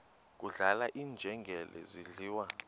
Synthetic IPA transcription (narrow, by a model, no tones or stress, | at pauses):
k̬ʼuɮalaʔiːnd͡ʒʱɛŋɡʱɛlʔɛ̰ziɮiːwa